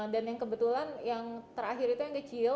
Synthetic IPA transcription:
danjaŋkəbət̪ulanjaŋt̪əɾaɦɪɾit̪ujaŋkət͡ʃi

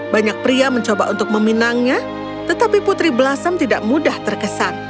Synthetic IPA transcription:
baɲak̚pɾiaməɲt͡ʃobaʔunt̪ʊk̚məminaŋɲa | t̪ət̪apiput̪ɾibəlasamt̪idaʔmudaht̪ərkəsan

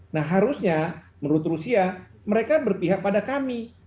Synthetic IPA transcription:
nahɦaɾusɲa | mənɾut̪rusiaməɾekabərpiɦaʔ̚padakami

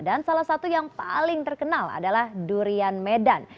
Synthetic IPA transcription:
dansalahsat̪ujaŋpa̰lɪŋt̪ərkənala̰dalahduɾianmedan

